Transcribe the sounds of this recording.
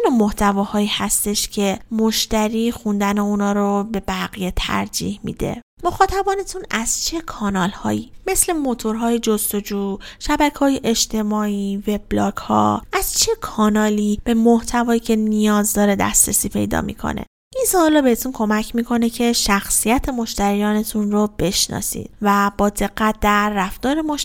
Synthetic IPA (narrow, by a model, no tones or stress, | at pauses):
inomoht̪ʰævɒːhɒːihæst̪e̞ʃcʰe̞moʃt̪æɾiːxund̪æneunɒːɾobe̞bæɣije̞t̪ʰæ̰ɾd͡ʒḭːhmḭːd̪ḛ | moxɒːt̪ʰæbɒːnet̪ʰunæz̥t͡ʃʰe̞kʰɒːnɒːlhɒ̰ːjime̞sle̞mo̞t̪ʰo̞ɾɦɒːjed͡ʒost̪o̞d͡ʒuːʃæbækʰɒːjeʔeʃt̪ʰe̞mɒːiːve̞b̥lɒːkhɒ̰ːʔæz̥t͡ʃʰe̞kʰɒːnɒːlib̥e̞moht̪ʰævɒːjiːcʰe̞nijɒːzd̪ɒːɾe̞d̪æ̰st̪ɾesiːpʰe̞̰jd̪ɒ̰ːmḭːkʰo̰nḛ | ʔinsɒːlɒːbe̞het̪ʰunkʰo̞mæcʰmiːkʰo̞ne̞cʰe̞ʃæxsijæt̪ʰe̞mo̞ʃt̪æɾijɒːne̞t̪ʰunrob̥e̞ʃnɒ̰ːsḭd̪væbɒːd̪e̞ɡːæt̪̚d̪æɾːæft̪ɒːɾemoʃ